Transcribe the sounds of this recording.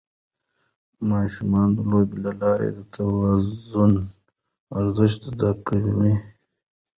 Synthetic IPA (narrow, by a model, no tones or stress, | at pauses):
mɑːʃumɑːnd̪əloːbilalɑːɾḛd̪ət̪ʰawazun | aɾzəʃt̪d̪akəd͡ʒume